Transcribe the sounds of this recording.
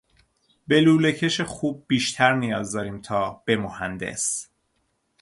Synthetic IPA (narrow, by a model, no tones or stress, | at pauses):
be̞luːle̞cʰe̞ʃexuːb̚ːiːʃt̪ʰæɾnijɒːzd̪ɒːɾiːmt̪ʰɒːb̥e̞mohænd̪ḛs